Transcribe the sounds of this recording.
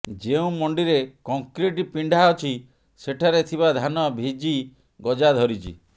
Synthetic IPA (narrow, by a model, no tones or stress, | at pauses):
d͡ʒeũmɔɳɖiɾekɔŋkɾiʈipiɳɖʱaɔt͡ʃʰi | seʈʰaɾet̪ʰibad̪ʱanɔbʱid͡ʒi | ɡɔd͡ʒad̪ʱɔɾit͡ʃʰḭ